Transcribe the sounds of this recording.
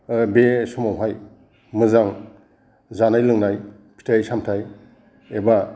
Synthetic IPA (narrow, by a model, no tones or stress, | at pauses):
besɔmawɦaj | mɯzaŋ | zanajlɯŋnaj | pʰi̥tʰajsamtʰaj | eba